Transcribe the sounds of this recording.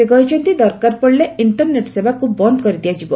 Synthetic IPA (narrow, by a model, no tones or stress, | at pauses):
eɡɔit͡ʃʰɔnt̪id̪ɔɾkaɾpɔɽileiɳʈɔɾneʈsebakubɔnd̪ɔkɔɾid̪iad͡ʒibɔ